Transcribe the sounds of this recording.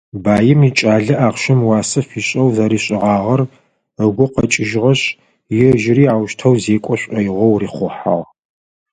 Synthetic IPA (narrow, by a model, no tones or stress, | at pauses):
baːjɪmit͡ʃʼaːɮɐʔaːʁɕɪmwɑːsɐfiːɕʼɐwzɐɾiːɕʼɪʁɑːʁɐr | əɡʷʊqɐt͡ʃʼɪʒʁɐɕ | jɪʒɪriːaːwʃtʰɐwzeːkʷʼɔɕʷʼɐjɪʁʷɔwriːχʷʊħa̰ʁ